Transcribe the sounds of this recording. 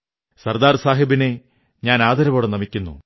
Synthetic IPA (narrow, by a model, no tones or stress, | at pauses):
sɐrd̪aːrsaːɦibine | ɲaːnaːd̪ɐɾɐʋoːɽɐnɐmikʲːunːṵ